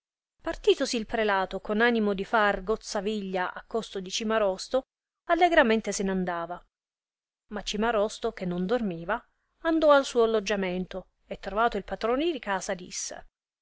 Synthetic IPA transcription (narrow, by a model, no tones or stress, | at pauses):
part̪iːt̪osiːlpɾelaːt̪okonaːnimod̪ifarɡot̪sːaviʎːaʔa̰kːost̪od̪it͡ʃimaɾɔst̪o | alːeɡɾament̪esenand̪aːva | mat͡ʃːimaɾɔst̪ok̟enːond̪ormiːva | and̪ɔalsuːoalːod͡ʒːament̪o | et̪ːɾovaːt̪oilpat̪ɾoːnd̪id̪ikaːsad̪ḭsːḛ